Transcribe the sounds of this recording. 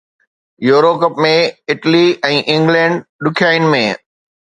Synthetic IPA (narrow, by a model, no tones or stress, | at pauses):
joːɾokɐpmẽɪʈliɛ̃ːʔɪ̃ŋɡlɛ̃ːɳɖɗʊkʰjaːɪnmẽː